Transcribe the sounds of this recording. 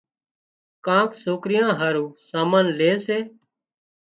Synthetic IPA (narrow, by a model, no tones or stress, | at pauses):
kãːksoːkɾɪjãːɦaːɾũːsaːməːnleːseː